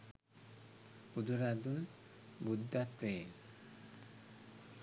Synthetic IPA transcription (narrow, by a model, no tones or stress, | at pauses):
ud̪uɾad̪un | bud̪ːat̪ɾe